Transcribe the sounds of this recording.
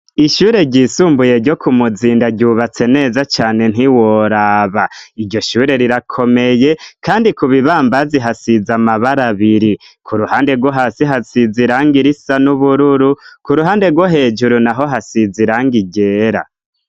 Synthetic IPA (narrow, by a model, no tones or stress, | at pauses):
iʃuːɾe̞ɟiːsuːmbuje̞ɾɟo̞kʰumuziːndaɟuβat͡se̞ne̞ːzat͡ʃaːne̞n̥iwoɾaβaiɾɟo̞ʃuːɾe̞ɾiɾakʰo̞me̞je̞kaːndikuβiβaːmbaziɦasizamaβaɾaβiɾi | kʰuɾuhaːnde̞ɾɡwoɦaːsiɦasiziɾaːŋɡiɾisanuβuɾuɾukuɾuɦaːnde̞ɾɡwo̞ɦe̞d͡ʒuɾunaɦo̞ɦasiziɾaːŋɡiɟe̞ːɾa̰